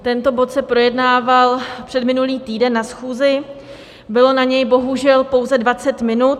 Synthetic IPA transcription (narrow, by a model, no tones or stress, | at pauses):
t̪ɛnt̪o̞bo̞t̪sɛpɾo̞jɛdnaːvalpr̝̥ɛdmɪnuliːt̪iːdɛnːasxuːzɪ | bɪlo̞naɲɛjbo̞ɦuʒɛlpo̞wzɛdvat͡sɛt̪mɪnut̪̚